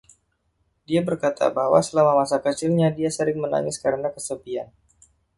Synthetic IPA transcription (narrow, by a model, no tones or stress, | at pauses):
diabərkat̪ʰa̰baɦwa̰səlamamasakət͡ʃɪlɲadiasəɾɪŋməna̰ŋɪskaɾənakəsəbian